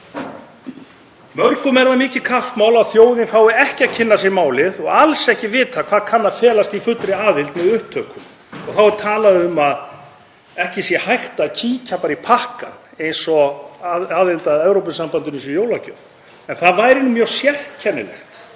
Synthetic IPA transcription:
mœɾkʏmɛɾvamɪːcɪkʰaft̪maːwlawθjoːwðɪnfaːwɪɛhcɪaðcʰɪnːasɛmaːwlɪðɔɣalsɛhcɪvɪːt̪akʰv̥aːðkʰanːaðfɛːlast̪ifʏt̪ɾɪaːðɪlt̪mɛðʏhp̚t̪ʰœːkʏm | ɔɣθawɾt̪ʰaːlaðɪʏmað | ɛhcɪsjɛhajht̪acʰiːcapaːɾipʰahka̰nejnsɔ | aːðɪlt̪aðɛvɾowpʏnsampant̪ʏnɪnsɔjoːwlacœ̰ð | ɛnθaðvajɾɪnːʏmjœːɣ̥sjɛhtcʰɛnːɪ̰lɛ̰xt̪

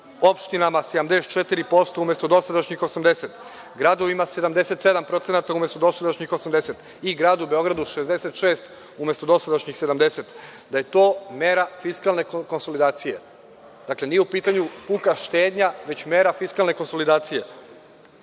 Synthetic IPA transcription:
o̞pʃt̪inamased̪amd̪e̞st̪t͡ʃet̪iɾipo̞st̪oumje̞st̪od̪o̞sad̪aʃɲixo̞samd̪e̞set̪ | ɡɾad̪o̞ʋimase̞d̪amd̪ese̞t̪se̞d̪ampɾo̞t̪senat̪aumest̪od̪o̞sad̪aʃɲixo̞samd̪eset̪ | iɡɾaːd̪ube̞o̞ɡɾad̪uʃezd̪eset̪ʃeːst̪ | ume̞st̪od̪o̞sad̪aʃɲixse̞d̪amd̪e̞set̪d̪aje̞t̪o̞ːmeːɾafiskalˠne̞kko̞nso̞lid̪aːt̪sije̞ | d̪akle̞nijeupiːt̪aɲupuːkaʃt̪eːd̪ɲaʋe̞t͡ɕmeːɾafiskalˠne̞ko̞nso̞lid̪aːt̪sije̞

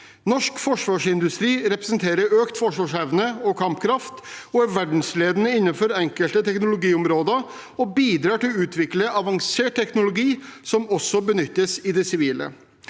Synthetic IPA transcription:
nɔʂkfɔʂʋɑːʂɪnd̪ʉst̪ɾiːɾɛpɾəsnt̪ʰeːɾəɾøːkt̪fɔʂʋɑːʂɛʋnəɔkʰɑmpkʰɾɑft̪ɔʋæɖn̩sleːd̪ənəɪnːənfɔɾɛŋkəlt̪ət̪ʰɛknʊlʊɡiːʊmɾoːd̪ə | ɔbiːd̪ɾɑːʈɪlʉːt̪ʰʋɪkləʔɑʋɑŋseːʈ̚t̪ɛknʊlʊɡiːsɔmɔsːɔbənʏt̪ːəsɪd̪ɛsɪʋiːlə̰

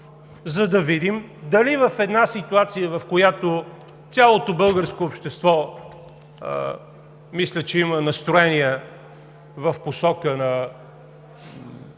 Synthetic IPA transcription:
zɐd̪ɐvid̪imd̪ɐlivɐfɛd̪nasit̪uat̪sijəvɐfkojat̪o | t̪sʲalˠot̪obɤlˠɡəɾskoːpʃt̪ɛst̪vɔ | mislʲət͡ʃɛimənɐst̪ɾoɛniɛ | vɐfposɔkənɐ

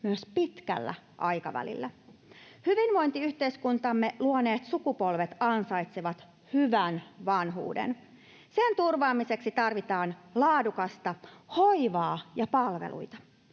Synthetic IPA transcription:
myøspit̪kæ̰lːæ̰ | ʔɑjkɑʋæ̰lḭlːæ | hyʋinʋo̞jnt̪iyht̪e̞iskunt̪ɑmːe̞luone̞ːt̪sukupo̞lʋe̞t̪ɑnsɑjt̪seʋɑt̪ | hyʋænʋɑnɦṵːdḛn | se̞nt̪urʋɑːmise̞ksit̪ɑrʋit̪ɑːnlɑːdukɑst̪ɑho̞jʋɑːjɑpɑlʋḛlṵjt̪ɑ

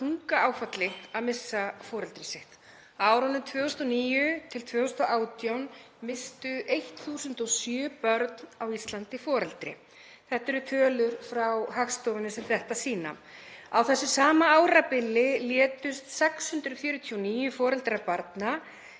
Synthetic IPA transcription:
uŋkaaːwfat̪lɪhaðmɪsːafɔːɾɛlt̪ɾɪsɪht̪ | aːwɾanʏmt̪ʰvœːʏst̪ɔniːjʏt̪ʰɪlt̪ʰvœːɣʏst̪ɔʔaːwt̪jawn | mɪst̪ʏʔejht̪θuːsʏnt̪ɔsjœːpœɾt̪nawist̪lant̪ɪfɔːɾɛlt̪ɾɪ̰ | θɛht̪ːɛɾʏt̪ʰœːlʏɾfɾawɦakst̪ɔwvɪnʏsɛmθɛht̪asiːna̰ | awθɛsːɪsaːmaaːwɾapɪlːɪljɛːt̪ʏst̪sɛkshʏnt̪ɾʏfjʏːɾʏt̪ʰiɔwniːjʏfɔːɾɛlt̪ɾapaɾt̪na

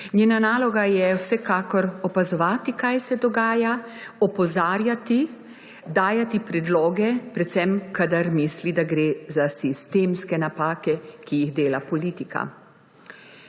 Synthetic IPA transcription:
nɲeːnanaːlɔɡajɛwsɛkaːkɔɾɔpazɔʋaːt̪ikajsɛd̪ɔɡaːjaɔpɔzaːɾjat̪i | d̪aːjat̪ipɾɛd̪loːɡɛpɾɛt̪sɛmkad̪aɾmislid̪aɡɾeːzasist̪eːmskɛnapaːkɛkijiɣd̪eːlapɔliːt̪ika̰

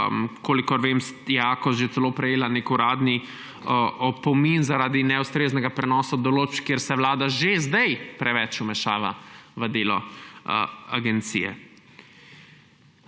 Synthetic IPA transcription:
mkʰoːlikɔɾʋeːmsjaːkɔsʒet̪sɛloːpɾɛjeːlanekuɾaːd̪ni | ʔɔpɔminzaɾaːd̪inɛust̪ɾeːznɛɡapɾɛnɔːsad̪ɔloːt͡ʃkjeɾsɛʋlaːd̪aʒezd̪ɛjpɾɛʋɛt͡ʃumɛʃaːʋa̰ʋəd̪eːlɔ | a̰ɡɛnt̪sḭjɛ̰

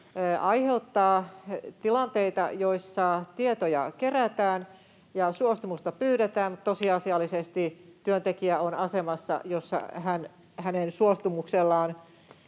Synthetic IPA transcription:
ʔɑiheut̪ːɑːt̪ilɑnt̪eit̪ɑ̰joisːɑt̪iet̪ojɑkeræt̪æːn | jɑsuost̪umust̪ɑpyːɾet̪æːmmut̪t̪osiɑsiɑlːisest̪it̪yønt̪ekiæonɑsemɑsːɑ̰josːɑ̰hæn | hænensuost̪umukselːɑːn

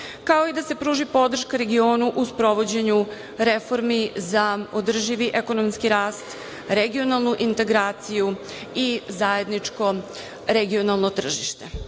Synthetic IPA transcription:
kao̞id̪ase̞pɾuːʒipo̞d̪r̩ʃkaɾe̞ɡio̞ːnuʔuspɾo̞ʋo̞d͡ʑe̞ɲu | ɾefo̞ɾmizaod̪r̩ʒiʋiʔeko̞nomskiɾaːst̪ | ɾeɡio̞nalˠnuʔint̪e̞ɡɾaːt̪siju | izae̞d̪nit͡ʂko̞ | ɾeɡio̞nalˠnot̪r̩ʒiʃt̪e̞

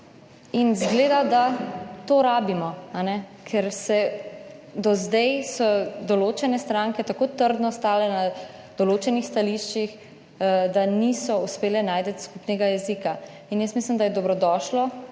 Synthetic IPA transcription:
inzɡleːd̪ad̪at̪oːɾaːbimɔanɛkʰɛɾsɛ | d̪ɔzd̪ɛjsɔd̪ɔloːt͡ʃɛnɛst̪ɾaŋkɛt̪akoːt̪əɾd̪nɔst̪aːlɛna | d̪̥ɔloːt͡ʃɛnixst̪aliʃt͡ʃix | d̪anisɔuspeːlɛnaːjd̪ət̪skupnɛɡajɛzika | injəsmislimd̪ajɛd̪ɔbɾɔd̪ɔːʃlɔ

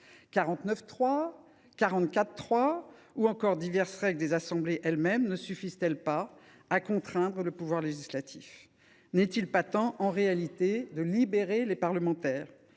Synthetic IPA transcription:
kaʁɑ̃t̪nœft̪χwa | kaʁɑ̃t̪kʲat̪ːχwauɑ̃kɔʁd̪ivɛʁsʁɛɡld̪ezasɑ̃bleʔɛlmɛmnəsyfizt̪ɛlpaː | kɔ̃t̪χɛ̃d̪ʁələpuvwaʁleʒislat̪ʰif | nɛt̪ilpat̪ɑ̃ʔɑ̃ʁealit̪ed̪əlibeʁelepaʁləmɑ̃t̪ɛːʁ

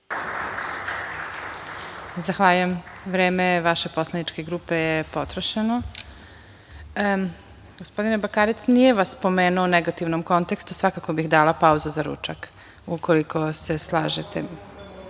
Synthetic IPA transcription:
zaxʋaːʎujemʋɾeːmeʋaʃe̞po̞slˠanit͡ʃke̞ɡɾuːpe̞jepo̞t̪ɾoʃeno | ɡospo̞d̪inebakaːɾit̪snijeʋasːpo̞meːnuoneɡat̪iʋnomko̞nt̪e̞kst̪usʋakako̞bixd̪aːlapauzuzaɾṵːt͡ʃak | ukʰo̞liko̞seslˠaːʒet̪ḛ

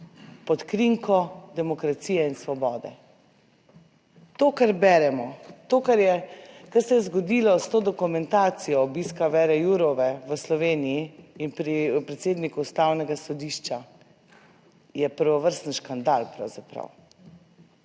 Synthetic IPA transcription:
pɔt̪kɾiŋkʰɔd̪ɛmɔkɾat̪sijɛinsʋɔbɔːd̪ɛ̰ | t̪oːkaɾbɛɾɛmɔt̪oːkaɾjɛkaɾsɛjɛzɡɔd̪iːlɔst̪oːd̪ɔkumɛnt̪aːt̪sijɔːbiskaʋɛɾɛjuɾɔʋɛʋəslɔʋeːnijiːnpɾipɾɛt̪seːd̪nikuːst̪aːwnɛɡasɔd̪iʃt͡ʃa | jɛpəɾʋɔʋəɾst̪n̩ʃkand̪alpɾa̰wz̥apɾa̰w

